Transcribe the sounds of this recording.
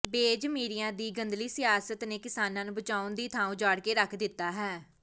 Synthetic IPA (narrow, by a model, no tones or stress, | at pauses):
beːd͡ʒmiːɾijãːd̪iːɡənd̪liːsɪjaːsət̪neːkɪsaːnãːnũːbət͡ʃaːʊnd̪iːt̪ʰaːũːd͡ʒaːɽkeːɾəkʰd̪ɪt̪ːaːɦɛː